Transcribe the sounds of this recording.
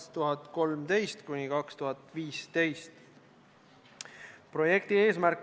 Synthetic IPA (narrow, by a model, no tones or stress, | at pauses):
st̪uɦɑt̪ˑko̞lmt̪e̞jst̪kunʲikɑkst̪uɦɑt̪ˑviːst̪e̞jst̪ | pro̞je̞k̚t̪ie̞ːsmæɾk